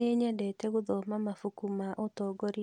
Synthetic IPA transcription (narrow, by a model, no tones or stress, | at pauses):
eɲɛdɛtɛɣʊðɔmamafukumaʔotɔɡoɾi